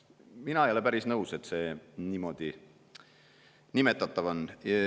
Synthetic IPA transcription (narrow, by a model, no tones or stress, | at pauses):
minɑejolepæɾisnɤuwse̞t̪se̞nimo̞d̪̥i | nimet̪ːˑɑt̪ːˑɑvon